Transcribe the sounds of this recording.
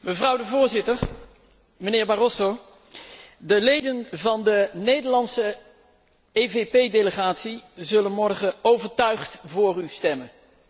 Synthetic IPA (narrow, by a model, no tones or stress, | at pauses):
məvrʌwdəvʊːɹzɪtəɹ | mənɪːɹbarɔso | dəlejdənvɑndənejdəɹlɑnsə | ejvepejdeləχaːtsizɵlənmɔɹχəowvəɹtœɥχtvʊːrystɛmən